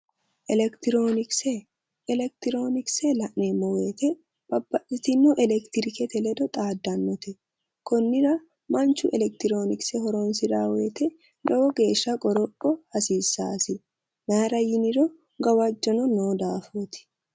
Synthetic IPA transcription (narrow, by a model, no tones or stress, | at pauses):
ʔɛlɛkt̪ɪɾoːnɪksɛː | lɛk̚t̪ɪɾo̞ːnɪksɛlɐʔneːmːɔweːt̪ɛ | b̥ɐbːɐʔɪt̪ɪnːɔʔɛlɛkt̪ɪɾɪkɛt̪ɛlɛd̪ɔt̪ʼaːd̪ːɐnːɔt̪ɛ | kɔnːɪɾɐ | mɐnt͡ʃːʊʔɛlɛk̚t̪ɪɾo̞ːnɪksɛhɔɾɔnsɪd̪aːweːt̪ɛ | lɔwɔɡe̞ːʃːɐkʼɔɾɔpːɔhɐsiːsːaːsɪ | maɾɐjɪnɪɾɔ | ɡɐwɐd͡ʒːɔnɔnoːd̪aːfoːt̪ɪ̥